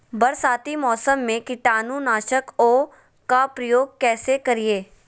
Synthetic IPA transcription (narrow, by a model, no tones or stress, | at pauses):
bɐɾsaːt̪imɔːsəmːẽkɪʈaːnũnaːʃəkoː | kapɾɐjoːɡ̚kɛːsekɐɾieː